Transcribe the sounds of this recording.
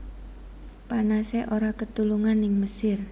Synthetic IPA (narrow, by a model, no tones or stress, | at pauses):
panaseʔoɾakət̪uluŋanɪŋməsɪr